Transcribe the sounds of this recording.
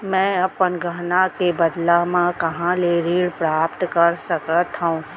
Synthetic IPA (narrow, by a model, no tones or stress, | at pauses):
mɛ̃ːɐpənɡʱəɦnakebɐd̪lamãkɐɦãleɾiːɽpɾaːpt̪kəɾsəkət̪ɦaũː